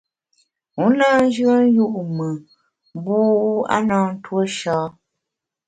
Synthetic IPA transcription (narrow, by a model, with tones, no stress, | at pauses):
u˨˦naː˦n̩˦d͡ʒɰə˦n˦ju˦ʔmə˨ | m˦bu˦a̰˦naː˦n̩˦two˦ʃɔː˦